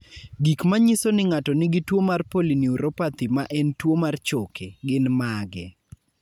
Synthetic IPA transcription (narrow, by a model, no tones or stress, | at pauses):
ɡikmaɲisonɪŋatɔnɪɡɪtwomarpoliniuɾopat̪imaʔɛntwomart͡ʃokʰeɡɪnmaɡɛ